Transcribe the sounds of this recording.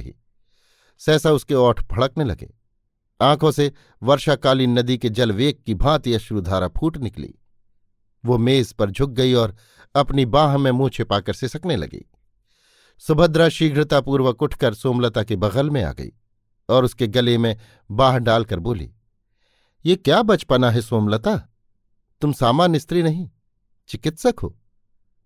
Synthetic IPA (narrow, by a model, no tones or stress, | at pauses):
ḭː | sɛːsaʊskeɔːʈʰbʱɐɭəknelɐ̰ɡḛː | ãːkʰõse | ʋɐɾʃakaːliːnːɐd̪iked͡ʒɐlʋeːkːibʱãːt̪iɐʃɾud̪ʱaːɾapʰuːʈnɪklḭː | ʋomeːzpɐɾd͡ʒʱʊk̚ɡɐiɔːɾ | ɐpnibãːɦmẽmũːt͡ʃʰepaːkɐɾsesɐknelɐ̰ɡḛː | sʊbʱəd̪ɾaʃiːɡʱɾɪt̪apuːɾwəkʊʈʰkəɾsoːmlət̪akebɐɣəlmẽa̰ːɡɐ̰ḭː | ɔːɾʊskeɡɐlemẽ | baːɦɖaːlkɐɾboːlḭː | jeːkjaːbɐt͡ʃpɐnaɦɛsoːmlət̪a | t̪ʊmsaːmaːnɪst̪ɾinɐɦĩ | t͡ʃɪkɪt̪sɐkɦo̰ː